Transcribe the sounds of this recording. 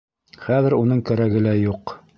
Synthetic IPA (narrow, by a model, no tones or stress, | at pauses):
χæðɘ̆ɾunɤɴkæɾæɡɘ̆læjuq